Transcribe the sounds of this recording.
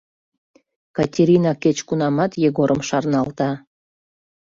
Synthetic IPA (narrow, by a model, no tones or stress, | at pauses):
kɑtʲeɾʲinɑket͡ɕkunɑmɑt̪jeɣoɾʔəmʃɑrnɑlt̪ɑ